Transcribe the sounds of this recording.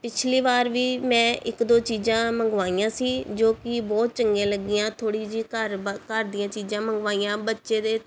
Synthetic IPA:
pɪt͡ʃʰliːʋaːɾʋiːmɛ̃ːʔɪkd̪oːt͡ʃiːd͡ʒãːməŋɡʋaːijãːsiːd͡ʒoːkɪbɔːt̪̚t͡ʃəŋɡẽːləɡiːãːt̪ʰoːɽiːd͡ʒiːkəɾkəɾd̪iːãːt͡ʃiːzãːməŋɡʋaːiːãːbətːʃeːd̪eː

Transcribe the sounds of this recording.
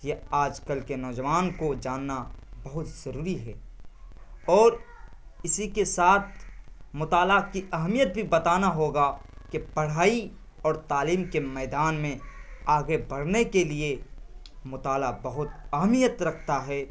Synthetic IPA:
jeaːd͡ʒkəlkenɔːd͡ʒəʋaːnkod͡ʒaːnːabɐɦʊt̪z̥ɐɾuːɾiɦɛː | ɔːɾɪsikesaːt̪̚ʰmʊt̪aːlakiʔɐɦmijət̪̚bʱibɐt̪aːnaɦoːɡa | kebɐɽ̤aːi | ɔːɾt̪aːliːmkemɛːd̪aːnmẽaːɡebɐɽ̤nekelie | mʊt̪aːlabɐɦʊt̪ɐɦmijət̪ɾɐkʰt̪aɦɛː

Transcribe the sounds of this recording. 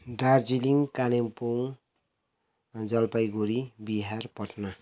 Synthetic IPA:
ɖard͡ziliŋkanempoŋ | d͡zʌlpajɡoɾibiɦarpʌʈnʌ

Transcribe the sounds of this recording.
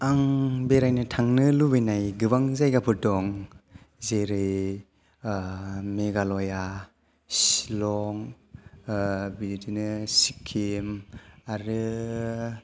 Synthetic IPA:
aŋbeɾajnɯtʰaŋnɯlubɯjnajɡɯβaŋzajɡapʰɯdɔŋ | zeɾɯj | meɡalɔja | si̥lɔŋ | bidinɯsikʰimaɾɯ

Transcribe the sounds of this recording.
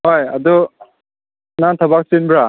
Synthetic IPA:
ɦoja̰dɔ | naŋt̪ʰabak̚sinbɾa

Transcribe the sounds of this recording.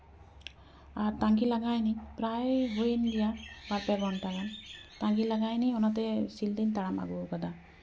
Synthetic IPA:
aɾt̪aŋkilaɡajnipɾajɦujenlijabaɾpaɡɔɳʈalamt̪aŋkilaɡajniɔnat̪ɛsild̪int̪aɽama̰ɡuɡad̪a

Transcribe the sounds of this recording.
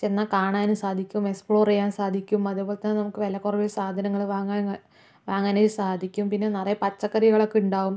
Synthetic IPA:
t͡ɕe̞nːakaːɳaːnumsaːd̪ʱikʲːuumekspɭo̞ːrejaːnsaːd̪ʱikʲːumɐðupo̞ːlet̪ɐnːɨnɐmukːɨʋɐlɐkːurɐʋiɾsaːd̪ʱɐnɐŋːɐɭʋaːŋːa | ʋaːŋːaːneɾsaːd̪ʱikʲːumpinːe̞nɐrɐjɐpɐt͡ɕːɐkːɐrijɐɣɐɭo̞kːeuɳɖaːʋum

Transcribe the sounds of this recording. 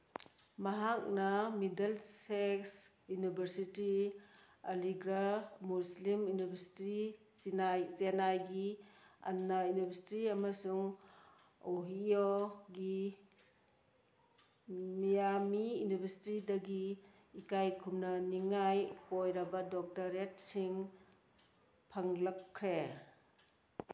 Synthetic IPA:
maɦak̚nɐmidelseks | junibʱɐɾsiti | aliɡɾamuslimjunibɐɾsi̥ti | ajsenajɡia̰nːajunibʱeɾsi̥tiamasuŋ | oɦioɡi | mijamiunibesi̥tidɐɡiː | kajkʰumnɐniŋajkojɾɐbɐdɔk̚taɾet̚siŋ | pʰaŋlɐkʰːɾe

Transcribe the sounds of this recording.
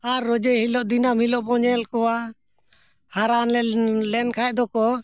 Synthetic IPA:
aɾːɔd͡ʒɛhilɔʔd̪inamhilɔʔbɔɲɛlkɔwa | haɾanlɛlɛnkʰaɛʔd̪ɔkɔ

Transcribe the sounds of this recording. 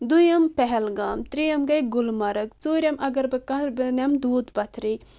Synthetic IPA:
d̪ujɐmpɛɦɛlɡaːmt̪ɾijɐmɡɐjɡʊlmɐɾɨkt͡soːɾʲɐmʔɐɡɐɾbɨkɐbɨnʲɐmd̪uːd̪bɐt̪ʰɾi

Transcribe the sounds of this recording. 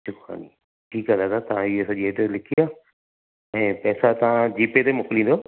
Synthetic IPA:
t͡ʃʰʊkxa̰ːni | ʈʰiːkalaːd̪at̪ɐʋ̤ãɪjesɐʄiedolɪkʰiaː | ɛ̃ːpɛːsat̪ɐʋ̤ãd͡ʑiːpet̪emʊkɪlĩnd̪oː

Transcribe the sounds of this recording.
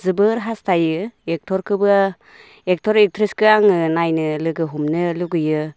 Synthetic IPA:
zɯbɯɾɦastʰajɯek̚tʰɔɾkʰɯbɯa | ek̚tʰɔɾiktʰɾiskɯaŋɯnajnɯlɯɡɯɦumnɯluɡɯjɯ

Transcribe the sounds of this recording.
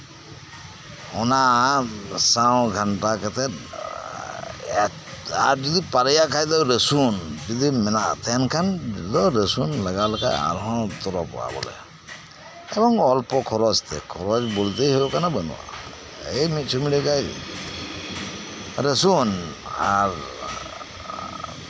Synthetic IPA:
ɔna | sawɡʱaɳʈakɛt̪ɛ | a̰ɾd͡ʒid̪ipaɾəjakʰajd̪ɔɾəsund͡ʒid̪imɛnaʔt̪ɛnkʰand̪ɔɾəsunlaɡalaka̰ja̰ɾɦɔ̃t̪ɔɾɔpɔ̰a̰bɔ̰lɛ̰ | ɛbɔŋɔlpɔkʰɔɾɔd͡ʒt̪ʰɛ̰kʰɔɾɔd͡ʒbolt̪eɦeokanabənṵwa̰ | ejmit̪̚t͡ʃʰumiɽikaj̰ | ɾesunaɾ

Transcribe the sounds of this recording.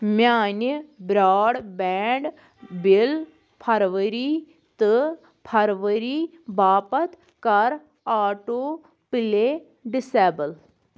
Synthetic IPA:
mjaːnibɾaːɽbɛːɳɖ | bil | pʰɐɾʋəɾiː | t̪ɨ | pʰɐɾʋəɾiː | baːpɐt̪ | kɐɾ | aːʈo | pileː | ɖɪsɛːbəl

